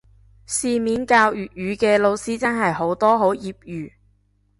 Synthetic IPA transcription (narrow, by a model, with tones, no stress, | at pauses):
siː˨˧miː˨˥nkaː˧wjyː˨t̚jyː˨˥kɛː˧lo˨˧wsiː˥t͡sɐ˥nɦɐ˨jɦo˨˥wt̪ɔː˥ɦo˨˥wjiː˨p̚jyː˨